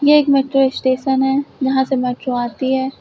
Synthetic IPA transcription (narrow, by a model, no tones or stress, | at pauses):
jeeːkmɛːʈɾoɪsʈeːʃənɦɛːd͡ʒɐɦãsemɛːʈɾoaːt̪iɦɛː